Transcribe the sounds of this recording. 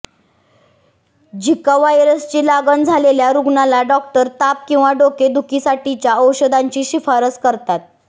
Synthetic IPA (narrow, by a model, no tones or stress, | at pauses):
d͡ʑʱikaʋajɾəst͡ɕiːlaɡənd͡zʱaleljaɾuɡɳalaɖɔk̚ʈəɾt̪ap̚kĩw̃ʋaɖoked̪ʱukisaʈit͡ɕjaəwɕəd̪aɲt͡ɕiːɕifaɾəskəɾt̪at̪̚